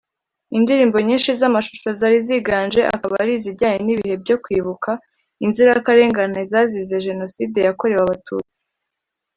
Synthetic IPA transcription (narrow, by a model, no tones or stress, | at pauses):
indiɾiːmbo̞ɲiːnʃizamaʃu̥ʃozaɾiziɡaːnʒeʔa̰kaβaɾiziɾɟaːɲeniβihe̞bɟo̞kwiːβuka | inziɾajakaɾe̞ːŋɡanezazize̞ʒe̞no̞siːde̞jako̞ɾe̞waβatʰṵːt͡si̥